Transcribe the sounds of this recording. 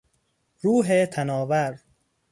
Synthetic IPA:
ɾuːɦet̪ʰænɒːvæɾ

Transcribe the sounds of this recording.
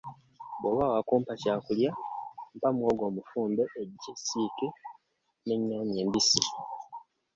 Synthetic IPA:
boβawakuːmpacaːkuljam̩pamwoːɡo̞ːmufuːmbe̞ʔːɟesiːke | neɲːoːɲe̞ːmbisi

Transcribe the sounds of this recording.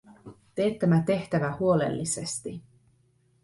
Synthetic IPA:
t̪e̞ːt̪ːæmæt̪e̞ht̪æʋæhuo̞lḛlːise̞st̪i

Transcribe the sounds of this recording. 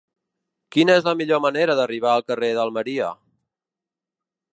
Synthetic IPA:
kinəɛzləmiʎoməneɾəðəriβ̞aəlˠkəreðəlˠməɾiə̰

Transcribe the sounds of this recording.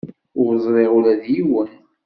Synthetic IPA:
ʊɾzˤɾˤeʁulæðjiwən

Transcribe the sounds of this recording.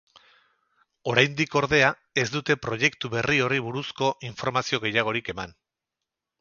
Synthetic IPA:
o̞ɾajnd̪iko̞ɾðe̞a | e̞zd̪ut̪e̞pɾo̞je̞kt̪uβe̞rio̞riβuɾusko̞ʔiɱfo̞ɾmasio̞ɣ̞e̞jaɣ̞o̞ɾike̞man

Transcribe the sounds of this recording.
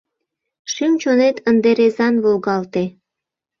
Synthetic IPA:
ʃimt͡ɕonet̪ənd̪eɾezɑnβolɣɑlt̪e

